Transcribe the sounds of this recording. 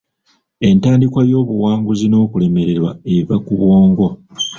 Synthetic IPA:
e̞ntaːndikwajo̞ːβuwaːŋɡuzino̞ːkule̞me̞ɾe̞ɾwa̰e̞βakuβwo̞ːŋɡo̞

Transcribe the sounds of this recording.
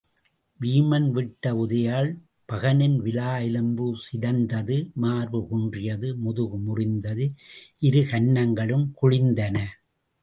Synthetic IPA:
ʋiːmɐnʋɪʈːɐʊðɐjaːɭ | pɐɣɐnɪnʋɪlaːjɪlɯmbɯsɪðɐnd̪ɐðɯmaːɾʋɯkɔɳdrɪjɐðɯmʊðɯɣɯmʊrɪnd̪ɐðɯʔɪɾɯkɐɳːɐŋɡɐɭɯmkʊɻɪnd̪ɐnɐ

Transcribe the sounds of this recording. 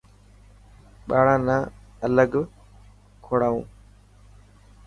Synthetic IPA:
ɓaːɽãːnãːələɡ | kʰoːɽaːṵ̃ː

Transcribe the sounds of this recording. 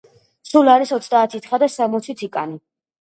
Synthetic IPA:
sulaɾisɔt̪sʰd̪aːt̪ʰit̪ʰχad̪asamɔt̪sʰit̪ʰikʼani

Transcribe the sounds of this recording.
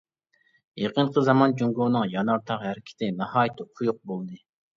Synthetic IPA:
jeqʰənqʰəzɑmɑnd͡ʒuŋɡoːnɨŋjɑnɑɾt̪ʰɑqhæɾɪkʲʰɪ̥t̪ʰɪnɑhɑːjt̪ʰqʰʊjuq̚bolˠd̪ɨ

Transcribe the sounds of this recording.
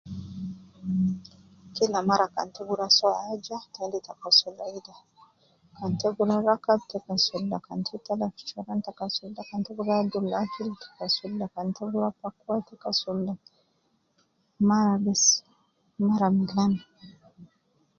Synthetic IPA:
kilamaɾaka̰ntɛɡuɾasɔad͡ʒatɛnditakasulːaida | kantɛɡuɾaɾakab̚tɛkasulːakantʰɛt̪alafi̥t͡ʃɔɾantakasulːakantɛɡuɾaːbd̪ulakiltɛ̥kasulːakantɛɡuɾapakwatɛkasulːa | maɾabɛs | maɾamilan

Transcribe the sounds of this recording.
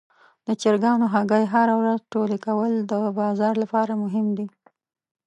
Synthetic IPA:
d̪ət͡ʃɪɾɡɑnoɦaɡajɦaɾawɾazʈolekawəld̪əbɑzɑɾlapɑɾamʊɦɪmd̪i

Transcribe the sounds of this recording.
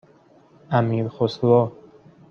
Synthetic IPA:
æmiːɾxoslɔː

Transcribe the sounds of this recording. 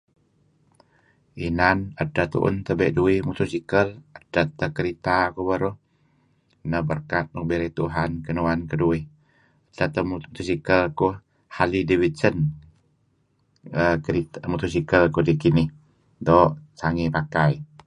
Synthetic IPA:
inanədət̪ṵʔʊ̰nt̪əbɛʔduɪhmut̪usikələdət̪əkəɾit̪akubəɾʊh | nəbərkat̪̚nukbeɾɛt̪uɦankənuankəduɪh | ədat̪ət̪usikəlku | halidiwit͡ʃən | əkəɾit̪mut̪usikəlkudikinɪh | dɔːʔsaŋipakai

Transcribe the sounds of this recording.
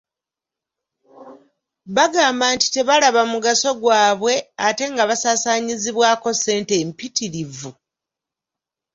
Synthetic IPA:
βaɡaːmbaːnti̥te̞βalaβamuɡaso̞ɡwaːβwe̞ate̞ŋɡaβasaːsaːɲiziβwaːko̞se̞ːnte̞mpitiɾivu

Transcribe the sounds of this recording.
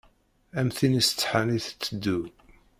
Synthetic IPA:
æmθinisə̥t͡sːħaniθt͡sːəd̪ːu

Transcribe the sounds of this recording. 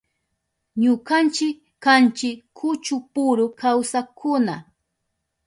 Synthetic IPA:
ɲʊkant͡ʃɪkːant͡ʃɪkʰːʊt͡ʃʊpʊɾʊkawsakʊna

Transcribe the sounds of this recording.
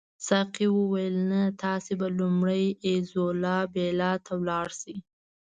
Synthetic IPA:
saqiwəwajəlnat̪ɑsebalumɽəjezolɑbelɑt̪ʰawlɑɽsi

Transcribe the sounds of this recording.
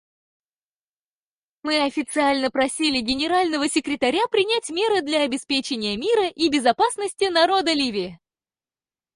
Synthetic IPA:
mɨɐfʲɪt̪sɨalʲnəpɾɐsʲilʲɪɡʲɪnʲɪɾalʲnəvəsʲɪkɾʲɪt̪ɐɾʲapɾʲɪnʲætʲmʲe̞ɾɨd̪lʲɐːbʲɪspʲet͡ɕɪnʲɪjəmʲiɾəʔibʲɪzɐpasnəsʲtʲɪnɐɾo̞d̪əlʲivʲɪɪ

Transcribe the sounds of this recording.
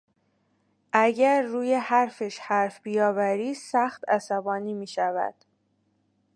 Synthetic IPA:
ʔæɟæɾːuːjehæɾfeʃhæɾfb̥ijɒːvæɾiːsæxt̪ʰæsæbɒːniːmiːʃævæ̰d̪̥

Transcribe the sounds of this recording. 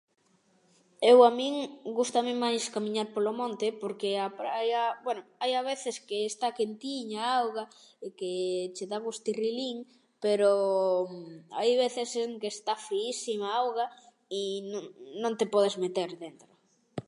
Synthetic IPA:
ewamĩŋɡust̪amɪmajskamiɲaɾpolomõnt̪epoɾkeapɾajabwɛnoajaβeθɪskeːst̪akent̪iɲaawɣaeket͡ʃeðaɣust̪iriliŋ | peɾo | a̰jβeθeseŋkest̪afɾiisimaawɣa | inoŋnõŋt̪epɔð̞ezmet̪eɾðent̪ɾo

